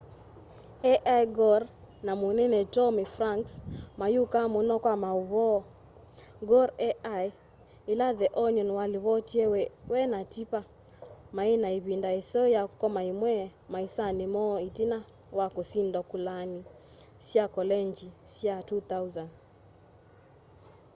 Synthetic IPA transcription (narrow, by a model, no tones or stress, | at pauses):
ɛʔajɡɔɾ | namonɛnɛtɔmifɾaŋksmajukamonɔkwamauβɔ | ɡɔɾɛaj | ilaðɛʔɔɲɔnwaliβɔtiɛwwɛnatipa | mainaiβindaɛsɔjakɔmaimwɛmaisanemɔitina | wakosindɔkulani | sjakɔlɛnd͡ʒisjatut̪auzan